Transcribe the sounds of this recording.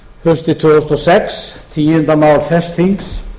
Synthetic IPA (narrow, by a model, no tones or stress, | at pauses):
hœst̪ɪt̪ʰoɔsnɔsɛkst̪ʰiːhɵnd̪amawlfɛst̪iŋs